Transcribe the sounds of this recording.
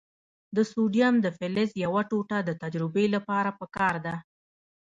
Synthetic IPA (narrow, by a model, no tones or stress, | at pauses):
d̪əsuɖjamd̪əfɪlɪzjawaʈoʈad̪ət̪ad͡ʒɾɪbelapɑɾapəkɑɾd̪a